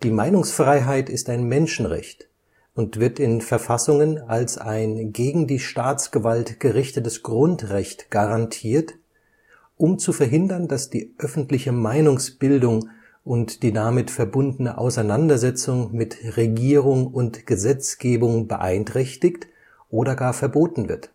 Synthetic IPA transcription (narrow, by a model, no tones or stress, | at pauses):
d̥iːmaɪnʊŋsfʁ̥aɪɦaɪtɪstaɪnmɛnʃn̩ʁɛ̰çt | ʊntv̥ɪɐtɪnfɛɐfasʊŋənalsaɪnɡeːɡŋ̩diːʃtaːt͡sɡ̥əvaltɡ̥əʁɪçtətəsɡ̥ʁʊntʁɛçtɡ̥aʁantʰiːɐt | ʔʊmt͡sufɛɐɦɪndɐnd̥asd̥iːʔœfn̩tlɪçəmaɪnʊŋsb̥ɪldʊŋ | ʔʊntd̥iːdamɪtfɛɐbʊndn̩əʔa̰ʊsaɪnandɐzɛt͡sʊŋmɪtʁeɡiːʁ̞ʊŋʊntɡ̥əzɛt͡sɡ̥eːbʊŋbəʔa̰ɪntʁ̥ɛçtɪkt | ʔoːɾɐɡaːɐfɛɐboːtn̩vɪ̰ɐt